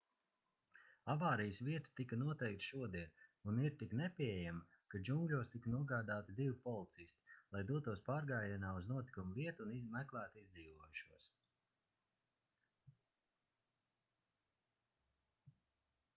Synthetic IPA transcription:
avaːɾijəsviɛt̪i̥t̪ikanuɔt̪ɛjk̚t̪ʃuɔd̪iɛnuniɾt̪iknɛpʲiɛjama | kad͡ʒuŋɡlʲuɔst̪iknuɔɡaːd̪aːt̪id̪ivpɔlˠit̪sist̪i̥lˠajd̪uɔt̪uɔspaːɾɡaːjanaːuznuɔt̪i̥kumuviɛt̪uunimɛklˠæːt̪izd̪ziːvuɔjuʃuɔs

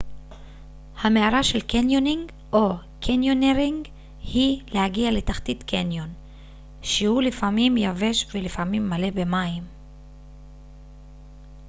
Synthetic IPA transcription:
hame̞aʁaʃelkenjoniŋɡ | o̞ | kʰenjo̞neʁiŋɡ | hilehaɡiale̞taχt̪itkenjon | ʃehulifamimjave̞ʃvelifamimːale̞be̞maim

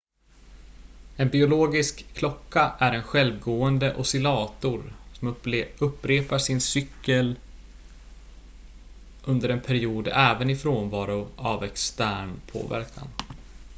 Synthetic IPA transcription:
ɛnbɪʊloːɡɪskʰːlɔkːaʔæɾɛnɧɛlvɡoːənd̪əʔɔsɪlɑːt̪ʊɾsɔmɵpːɾeːpaʂɪnsʏkːəl | ʔɵnd̪əɾɛnpʰæɾɪuːd̪ɛːvənɪfɾoːnvɑːɾʊavɛkst̪æːɳpʰo̰ːvæ̰ɾkʰa̰n

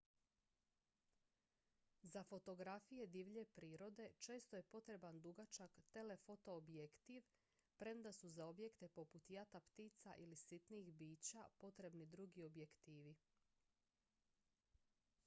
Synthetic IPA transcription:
zafo̞t̪o̞ɡɾafije̞d̪iʋʎe̞pɾiːɾo̞d̪e̞t͡ʃe̞ːst̪o̞je̞po̞t̪ɾe̞band̪uɡat͡ʃakt̪e̞le̞fo̞t̪o̞ːbjekt̪iʋ | pɾe̞md̪asuzao̞bje̞kt̪e̞po̞put̪jat̪apt̪iːt̪saʔilisit̪niːxbiːt͡ɕapo̞t̪ɾe̞bnid̪ɾuɡio̞bje̞kt̪iːʋi

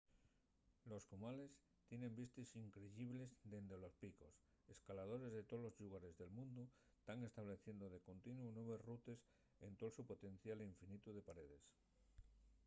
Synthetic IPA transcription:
lo̞skumale̞s | t̪je̞nẽ̞mbist̪isiŋkɾeʝiβle̞zd̪e̞nd̪ɾelo̞spiko̞s | e̞skalað̞o̞ɾe̞zðe̞t̪olo̞zʎuɣaɾe̞zðe̞lmũnd̪u | st̪aŋe̞st̪aβle̞θje̞nd̪oðe̞ko̞nt̪inwunwe̞βesrut̪e̞s | e̞nt̪o̞lsupo̞t̪e̞n̟θjaliɱfinit̪uðe̞paɾe̞ðe̞s

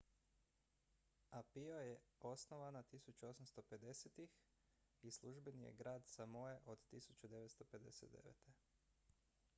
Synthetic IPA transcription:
apiojeosnoʋanat̪isut͡ɕuo̞samst̪o̞pe̞d̪e̞set̪ix | islˠuʒbenijḛɡɾaːd̪samojeʔod̪t̪isut͡ɕt͡ʃud̪e̞ʋet̪st̪ope̞d̪e̞̰sḛt̪d̪e̞̰ʋḛt̪ʰe

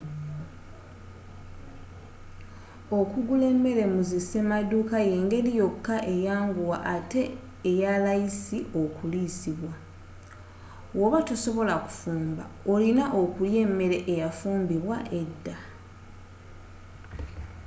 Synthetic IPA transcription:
o̞kuɡule̞mːe̞ɾe̞muzise̞maduːkaje̞ːŋɡe̞lijo̞kːaʔe̞jaːŋɡuwa̰ʔate̞ː | jalajisio̞kulisiβwa | woβatuso̞βo̞laku̥fuːmba̰olinaʔo̞kulje̞mːe̞ɾe̞ʔːjafuːmbiβwaʔe̞dːa

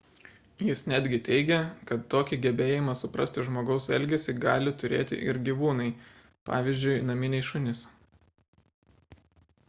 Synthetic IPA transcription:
jɪsnʲæːd̪ʲɡʲɪt̪ʲɛɪɡʲɛkɐt̪ːoːkʲiɡʲɛbʲeːjɪmɑsʊpɾɐ̰sʲt̪ʲɪʒmoːɡɒʊsɛ̰lʲɡʲɛsʲɪɡɑːlʲɪt̪ʊɾʲḛːt̪ʲɪ̰ʔɪ̰ɾɡʲiʋuːnɐɪ | pɑ̰ːʋʲiːzʲd͡ʒʲʊɪnɐmʲɪnʲɛɪʃʊnʲɪs

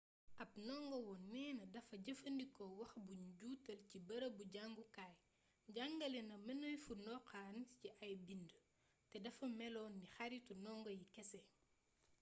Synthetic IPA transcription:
ʔɐp̚nɔŋɡɔwɔnːɛːnɐdɐfɐɟɐfɐndikɔwɐxbuɲɟuːtɐlcibɐɾɐbuɟaŋɡukaj | ɟaŋɡɐlɛnɐmɐnɔjfunɔqanciʔɐjbində | tɛdɐfɐmɛlɔːnːixɐɾitunɔŋɡɔjikɛsɛ

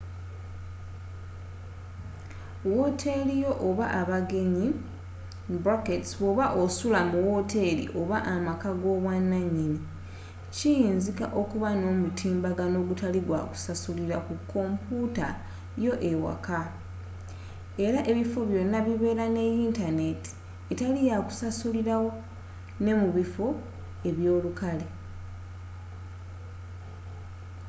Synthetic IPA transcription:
wo̞tʰe̞lijo̞ʔoβaʔaβaɡe̞ɲi | bɾoketsβoβaʔosulamuwo̞tʰe̞lḭʔo̞βaʔamakaɡo̞ːβwanːaɲːini | cijiːnzika̰ʔo̞kuβano̞ːmutʰiːmbaɡano̞ɡutaliɡwaku̥sasuliɾakukʰːo̞ːmpʰuta | jo̞ʔe̞wa̰ka | e̞ɾaʔe̞βifo̞βjo̞nːaβiβe̞ːɾane̞jiːntane̞ti̥ | etalijaku̥sasuliɾawo̞ | ne̞muβifo̞ | e̞βjo̞ːlukale

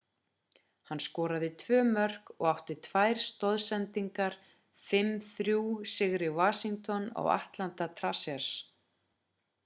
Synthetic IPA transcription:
hanːskɔːɾaðɪt̪ʰvœːmœr̥kɔ̰ɣawht̪ɪt̪ʰvajɾ̥st̪ɔðsɛnt̪iŋkaɾ̥ | fɪmːθɾjuːsɪɣɾɪvaːsiŋkt̪ɔna̰wa̰ht̪lant̪at̪ʰɾasɛ̥s

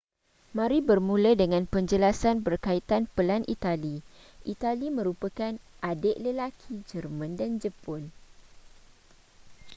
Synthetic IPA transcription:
mãɾibərmũlədəŋãnpəɲd͡ʒəlasanbərkait̪anpəlanʔḭt̪ali | ʔit̪alimə̃ɾupəkanʔadəʔləlakʰid͡ʒərmãndand͡ʒəpɔn

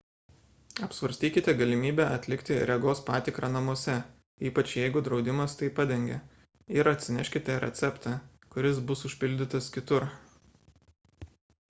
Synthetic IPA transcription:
ɐpsʋɐɾʲsʲt̪ʲiːkʲɪt̪ʲɛɡɐlʲɪmʲiːbʲɛʔɐt̪ʲlʲɪkt̪ʲɪɾʲɛɡoːspɑːt̪ʲɪkɾɑːnɐmuɔsʲɛ | iːpɐt͡ʃjɛɪɡʊd̪ɾɒʊd̪ʲɪmɐst̪ɐɪpɐd̪ʲɛŋʲɡʲɛ̰ | ɪɾɐt̪ʲsʲɪnʲɛʃʲkʲɪt̪ʲɛɾʲɛ̰t̪sʲɛpt̪ɑː | kʊɾʲɪs̬bʊsʊʃʲpʲɪlʲd̪ʲɪt̪ɐskʲɪt̪ʊɾ

